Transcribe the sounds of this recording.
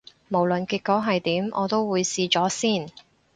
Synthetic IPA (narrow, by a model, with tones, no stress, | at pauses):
mo˨˩wlɵ˨nkiː˧k̚kːɔ˨˥ɦɐ˨jt̪iː˨˥mʔɔ̰ː˨˧t̪o˥wwuː˨˧jsiː˧t͡ʃɔː˨˥siː˥˩n